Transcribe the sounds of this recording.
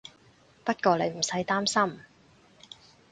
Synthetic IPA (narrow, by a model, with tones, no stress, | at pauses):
pɐ˥t̚kɔː˧le˨˧jm̩˨˩sɐ˨˥jt̪aː˥msɐ˥m